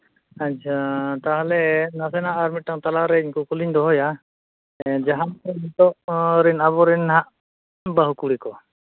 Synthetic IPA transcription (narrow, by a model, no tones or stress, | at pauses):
at͡ʃʰat̪aɦlɛnasɛnaʔːɾmiʈːaŋt̪alaɾɛiɲkukuliɲd̪ɔɦɔja | d͡ʒaɦamɛmit̪ɔʔɾɛnaβɔɾɛnɦaʔ | baɦukuɽikɔ